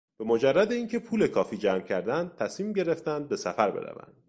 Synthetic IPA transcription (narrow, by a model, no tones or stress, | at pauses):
b̥e̞mod͡ʒærːæd̪eiːŋcʰe̞pʰuːle̞kʰɒːfiːd͡ʒæːmcʰæɾd̪ænd̪̚t̪ʰæsmiːmɟe̞ɾe̞ft̪ænd̪̚be̞sæfæɾbe̞̰ɾæ̰væ̰nd̪̥